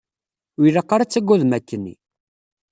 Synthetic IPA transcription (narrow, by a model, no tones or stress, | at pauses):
wiləqːaɾat͡sːəɡʷːuðmækːənːḭ